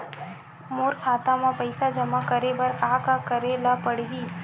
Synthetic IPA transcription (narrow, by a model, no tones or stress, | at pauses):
moːɾkʰaːt̪amãpəɪsad͡ʒɐmakəɾebɐɾkaːkakəɾelapəɽɦiː